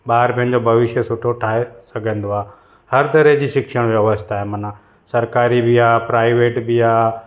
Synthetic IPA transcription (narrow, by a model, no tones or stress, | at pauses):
ɓaːɾpɐ̃ɦɪ̃̆d͡ʑobʱɐʋɪʃəsʊʈʰoʈʰaːɦesɐɡʱə̃nd̪oaː | hɐɾt̪ɐɾeɦd͡ʑiːʃɪkʃəɽ̃ʋɐʋəst̪aːɦemɐna | sɐɾkaːɾibɪaːpɾaːɪʋeːʈbɪaː